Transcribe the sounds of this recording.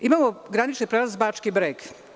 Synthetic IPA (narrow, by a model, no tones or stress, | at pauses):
imaːmoɡɾanit͡ʃnipɾelazbat͡ʂkibɾeːɡ